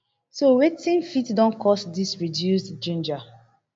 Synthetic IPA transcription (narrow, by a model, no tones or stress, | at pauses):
sowetĩnfitdɔ̃nkʰɔsdisɹidjusdd͡ʒũnd͡ʒa